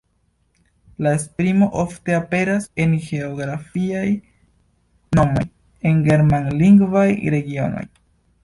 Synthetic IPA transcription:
laespɾimo̞ʔo̞fte̞ape̞ɾase̞nɡe̞oɡɾafiaj | no̞mo̞̰j | enɡe̞ɾmanliŋɡvajɾe̞ɡio̞̰no̞̰j

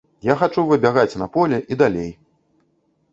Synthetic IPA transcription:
jaxat͡ʂuvɨbʲaɣat͡sʲnɐpɔlʲɛʔid̪alʲej

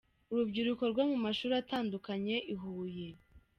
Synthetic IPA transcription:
uɾubɟiɾuko̞ɾɡwomumaʃuːɾataːndukaɲe̞ʔiɦuːje̞

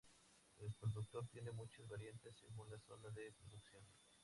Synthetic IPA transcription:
elespɾoðuk̚t̪o̞ɾt̪je̞ne̞mut͡ʃozβaɾjent̪esːeɣunlaso̰naðepɾoðuksjo̞n

